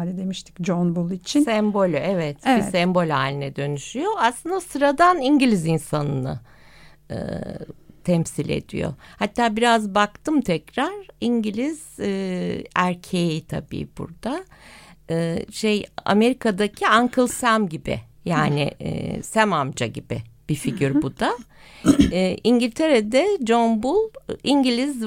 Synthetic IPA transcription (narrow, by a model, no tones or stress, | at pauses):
lʲid̪emiʃt̪ʰi̥cd͡ʒonbulˠit͡ʃʰinsɛmbo̞lʲyʔevɛt̪isɛmbo̞lʲhaːlʲinɛd̪ø̞nyʃyjo̞aslˠɯnd̪asɯɾad̪aniɲɟilʲizinsanɯnɯ̰ | ɯ̰ | t̪ʰɛmsilʲe̞̰d̪̥ḭjo̰hat̪ːaːbiɾazbakt̪ʰɯmt̪ʰɛcɾaɾiɲɟilʲiz̥ː | æɾcʰejit̪ʰa̰bḭːb̥ṵɾd̪a | ɯːʃeja̰me̞ɾikʰad̪acʰiaŋkʰɯlˠsæmɟibɪ̰jaːnɪ̰sæmamd͡ʒaɟibɪ̰b̥ifiɟiɾbud̪a | ʔiɲɟilʲt̪ʰe̞ɾed̪ɛd͡ʒonbulˠiɲɟilʲiz